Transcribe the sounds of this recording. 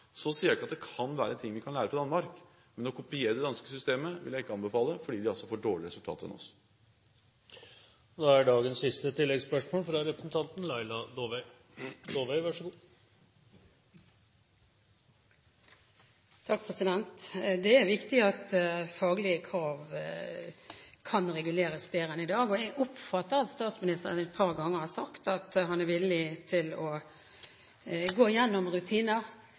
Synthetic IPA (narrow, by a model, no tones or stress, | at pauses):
sɔsiːɾæɪkɑt̪̚d̪ɛkʰɑnʋæːɾəɛnt̪ʰɪŋːʋɪkʰɑnlæːɾəpʰɔd̪ɑnmɑɾk | mɛnɔkʰʊpɪeːɾəd̪ɛd̪ɑnskəsʏst̪eːməʋɪ̰ljæɪɪkːəɑnbəfɑːləfɔɖiːd̪ɪɑlsɔfoːɖoːɭɪɾɛsʉlt̪ʰɑ̰ːt̪ɛ̰nɔ̰s | d̪ɑæɖɑːɡənsːɪst̪ət̪ɪlːɛɡspœʂmoːlfɾɑɾɛpɾəsn̩t̪ʰɑnt̪n̩lɑɪlɑd̪oːʋɛɪ | d̪oːʋeɪʋɑʂɡuː | t̪ʰɑk̚pʰʁɛsɪd̪ɛnt̪d̪ɛæɾʋɪkt̪ɪɑt̪fɑːɡəlɪəkʰʁɑːʋ | kʰɑnʁɛɡʉleːɾəsbeːɾənɪd̪ɑːɡɔɛɡʊpfɑt̪ːəɾɑt̪st̪ɑːt̪smɪnɪst̪əʁə̰nɛt̪̚pʰɑʁɡɑŋːəɾhɑsɑkt̪ɑt̪ɦɑnæɾʋɪlːɪt̪ʰɪlɔ | ɡoːɪjɛnːɔmʁʉt̪ʰiːnəʁ